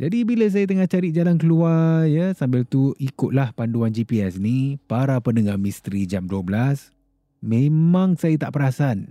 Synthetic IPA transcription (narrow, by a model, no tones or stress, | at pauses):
d͡ʒadibiləs̬ajat̪̬əŋaht͡ʃaɾɪt̪̚d͡ʒalankəluarrjəsambɪlt̪uikʊt̪̚lahpanduand͡ʒipiɛsnipaɾapənəŋahmist̪ɾid͡ʒamduəbəlas | mẽmãŋsajat̪aʔpəɾasan